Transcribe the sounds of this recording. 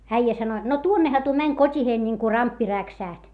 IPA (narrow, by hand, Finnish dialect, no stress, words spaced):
æijæ sɑno jot no tuonːehɑ tuo mænʲ kotʲiheːn niŋku rɑmpːi ræksæˑht